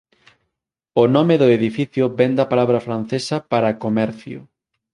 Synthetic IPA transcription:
ʊnɔmeðʊeðifiθjʊbɛnd̪ɐpalaβɾɐfɾanθesɐpaɾakomɛɾθjʊ̰

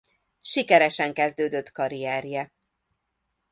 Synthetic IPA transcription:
ʃikɛɾɛʃɛŋkɛzd̪øːd̪øt̪ːkɒɾijɛːrjɛ

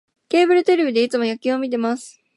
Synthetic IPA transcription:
ke̞ːbɯ̟ɾɯ̟t̪e̞ɾebʲid̪e̞it͡sɨmo̞jakʲĩo̞mʲit̪̬e̞masɨ̥

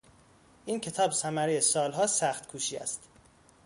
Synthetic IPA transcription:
ʔiːncʰe̞t̪ʰɒːbsæmæɾejesɒːlɦɒːsæxt̪kʰuːʃiːæ̰st̪

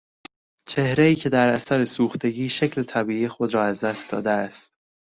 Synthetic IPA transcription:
t͡ʃʰe̞hɾeiːcʰe̞d̪æɾæsæɾe̞suːxt̪ʰe̞ɟiːʃecʰle̞t̪ʰæbiːiːjexo̞d̪ɾɒːæzd̪æst̪̚d̪ɒ̰ːd̪eæst̪

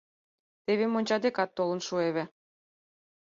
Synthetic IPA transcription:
t̪eβemonʲt͡ɕɑd̪ekɑt̪ːolə̆nʃueβʲĕ

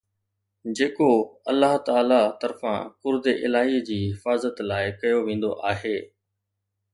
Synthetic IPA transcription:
d͡ʑeːkoɐlːəɦt̪aːlat̪ɐɾfã̰kʊɾd̪eʔɪlaːɦid͡ʑiːɦɦɪfaːzət̪laːɪkɐjoʋẽːn̆d̪o̰ʔaːɦeː

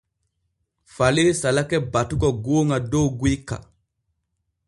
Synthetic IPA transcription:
falesalakɛbatuɡɔɡoːŋadowɡuikːa̰

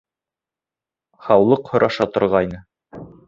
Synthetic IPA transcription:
χɑwlˠɤqhŏɾʔɑʃɑt̪ŏɾʁɑjnɤ

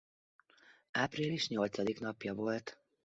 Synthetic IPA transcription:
aːpɾiːliʃɲɔlt͡sad̪iknɒpjaʋɔlt̪

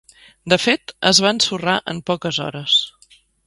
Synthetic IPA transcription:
d̪əfet̪əzβansuraʔə̰mpɔkəzɔ̰ɾəs

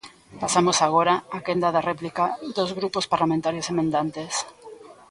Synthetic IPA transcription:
pasamosaɣ̞oɾaakend̪aðareplikaðozɣɾupospaɾlamẽnt̪aɾjosemẽnd̪ant̪es

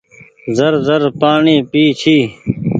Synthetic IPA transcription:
zɐɾzɐɾpaːɳiːpiːt͡ɕʰiː

